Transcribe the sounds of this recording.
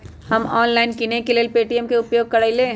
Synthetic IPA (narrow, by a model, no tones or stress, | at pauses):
hɐmɔːnlaːɪnkinekeleːlpeːʈiɛmkeʊpjoːɡ̚kɐɽaːileː